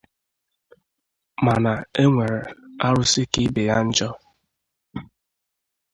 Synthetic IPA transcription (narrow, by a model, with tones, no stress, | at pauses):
ma˨na˨e˦ŋʷe˨ɾe˨a˦ɾʊ˦si˦ki˦be˨ja˦n̩˦d͡ʒɔ˦